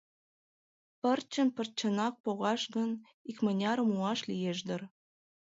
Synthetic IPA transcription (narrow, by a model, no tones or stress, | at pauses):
pərt͡ɕə̆npərt͡ɕə̆nɑk̚poɣɑʃɣə̆n | ikmə̆nʲɑɾəmuɑʃlijeʒd̪ər